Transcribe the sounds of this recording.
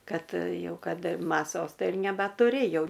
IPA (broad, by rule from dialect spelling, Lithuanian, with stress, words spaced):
ˈkɐt ˈjɛʊ ˈkɐt mɐˈsoːs ˈtɐɪ ɪr nʲɛbɐtʊˈrʲeːjɛʊ